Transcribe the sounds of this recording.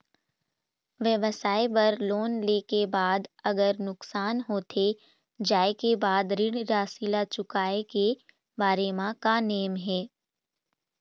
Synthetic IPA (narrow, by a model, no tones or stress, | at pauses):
ʋjəʋəsaːebɐɾloːnleːkebaːd̪ɐɡəɾnʊksaːnɦoːt̪ʰe | d͡ʒaːekebaːd̪ɾɪɽɾaːsilat͡ʃʊkaːeke | baːɾemãkaneːmɦɛː